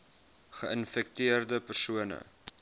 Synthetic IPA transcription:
χəʔənfɛk̚tiərdəpərsuənə̰

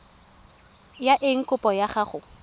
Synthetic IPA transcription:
jaʔɪŋ̩kʼʊpʼɔjaχaχʊ

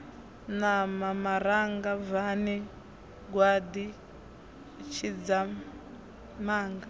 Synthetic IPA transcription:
namamaɾaŋɡavani | ɡwad̪i | t͡ʃʰid͡za | maːŋɡa

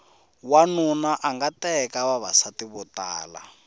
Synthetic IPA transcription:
wanunaʔaŋɡatɛkawaβa̰satiβɔta̰ːla̰

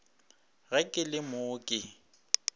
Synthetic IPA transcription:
ɣɛkʼɪlɪmʊːkʼɪ

